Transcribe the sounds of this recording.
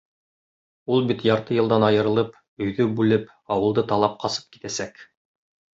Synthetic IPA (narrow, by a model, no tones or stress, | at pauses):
ulˠbit̪jɑɾt̪ɤjɤ̆lˠd̪ɑnɑjɤ̆ɾɤ̆lˠɤp | ɵ̆jðɵbʉlɘp | ɑwɤ̆lˠd̪ɤt̪ɑlˠɑp̚qʰɑsɤ̥p̚ki̥t̪æsæk